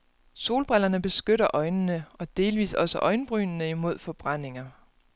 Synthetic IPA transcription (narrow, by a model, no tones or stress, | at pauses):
so̝ːlb̥ʁelɐnəb̥e̝sɡ̥øɾɐʔɒ̽ɪnnəɒ̽d̥e̝ːlʋḭːsɒ̽səʔɒ̽ɪnb̥ʁy̰ːnnəimo̝ð̞̰ˠfɒ̽b̥ʁan̰e̝ŋɐ